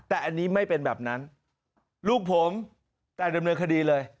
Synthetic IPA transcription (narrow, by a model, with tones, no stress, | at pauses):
t̪ɛː˨˩ʔa˧nːiː˦˥ma˥˩jpe˧nbɛː˨˩p̚na˦˥n | luː˥˩k̚pʰo˩˦m | t̪ɛː˨˩da˧mnɤː˧nkʰa˧diː˧lɤː˧j